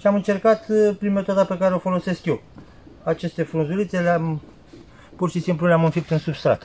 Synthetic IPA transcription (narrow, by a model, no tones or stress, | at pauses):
ʃiamɨnt͡ʃe̞rkat̪pɾinme̞t̪ood̪ape̞kaɾeo̞fo̞lo̞se̞skjo | at͡ʃe̞st̪e̞fɾunzuɾit̪seleam | purʃisimpluleamɨnfik̚t̪unsubst̪ɾa̰t̪